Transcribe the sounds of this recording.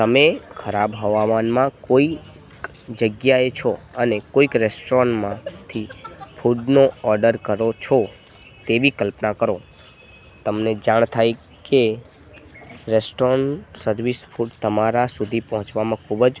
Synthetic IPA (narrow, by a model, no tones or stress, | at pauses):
t̪əmekʰəɾabɦəʋamanmãkoi | k | d͡ʒəɡjaet͡ʃʰoənekoikɾesʈɾɔnmãt̪ʰifʰuɖnoɔɾɖəɾkəɾot͡ʃʰɔ | t̪ebʱikəlpnakəɾo | t̪əmned͡ʒaɳ̃t̪ʰaj | ke | ɾesʈɾɔɳsəɾʋisfʰuɖt̪əmaɾasud̪ʱipəɦɔ̃t͡ʃʋamãkʰubd͡ʒ